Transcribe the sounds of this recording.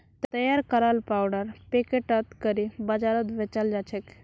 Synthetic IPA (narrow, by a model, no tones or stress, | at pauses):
t̪t̪əjaɾkəɾalpawɽəɾpekeʈat̪kəɾibəd͡ʒaɾət̪ʋet͡ʃald͡ʒat͡ʃʰek